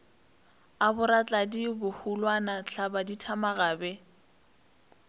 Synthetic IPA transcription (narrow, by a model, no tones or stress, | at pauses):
abʊɾat͡ɬʼadibʊhulwanat͡ɬʰabaditʰamaɣaːbɛ